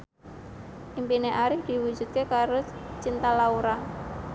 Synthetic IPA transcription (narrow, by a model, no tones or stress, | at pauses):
ʔimpineʔaɾɪhd̥i̤wu̥d͡ʒ̥ṳt̪̚kekaɾot͡ʃint̪alauɾa